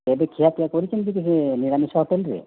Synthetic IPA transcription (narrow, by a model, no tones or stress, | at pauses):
ebekʰiak̪iakoɾit͡ʃʰenkikisiniɾanisɔɦoʈelɾḛ